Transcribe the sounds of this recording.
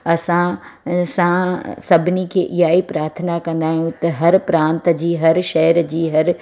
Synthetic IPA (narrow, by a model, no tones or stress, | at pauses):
ɐsãsãsɐbʱɪnikʰeʔɪjaːipɾaːɾt̪ʰənakɐ̃nd̪aːɦijũt̪ɐɦɐɾpɾãːnt̪d͡ʑiːɦɐɾʃɛːɾd͡ʑiːɦɐɾ